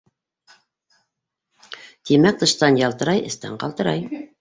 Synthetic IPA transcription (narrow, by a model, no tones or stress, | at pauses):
t̪imæk̚t̪ɤ̆ʃt̪ɑnjɑlˠt̪ɤ̆ɾɑjɘ̆st̪æ̰ɴqɑ̰lˠt̪ɤ̆ɾɑj